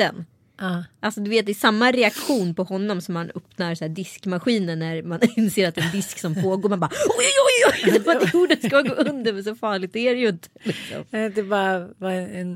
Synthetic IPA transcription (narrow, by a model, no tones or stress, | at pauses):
ɛ̰nː | ʔalsɔd̪ɵveːt̪̚d̪ɛːsamːaɾɛakɧuːnpɔhɔnːɔmsɔmhanɵpnaɾsæːɖɪskmaɧiːnəɳːæɾmanɪnseːɾat̪̚d̪ɛɛnd̪ɪsksɔmpʰoːɡoːɾmɛanbɑːɔjjjjɔjd̪ɛvaɛɡuːɖənskaaɡoːʔɵnd̪əɾmɛnsɔfɑːɭɪɡ̚t̪æɾɛjɵɪnt̪ə̥lɪksɔ̰mɛd̪ɛbɑːɾavaɛɛn